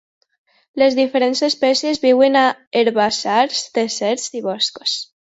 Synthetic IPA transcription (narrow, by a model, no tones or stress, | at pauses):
lezðifeɾensespɛsjezβiwenaeɾβasaɾst̪esɛɾziβɔsko̥s